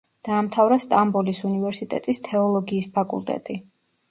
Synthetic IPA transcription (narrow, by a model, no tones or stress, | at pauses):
d̪̥aːmt̪ʰavɾast̪ʼambɔlisunivɛɾsit̪ʼɛ̰t̪ʼist̪ʰɛɔlˠɔɡiːspʰakʼṵlˠt̪ʼɛ̰t̪ʼi